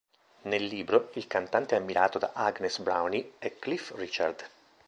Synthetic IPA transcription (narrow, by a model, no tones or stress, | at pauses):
nelːiːbɾoilkant̪ant̪eɛamːiɾʔaːt̪od̪a̰ʔaɡnesbɾawniɛkːlifrit͡ʃard̪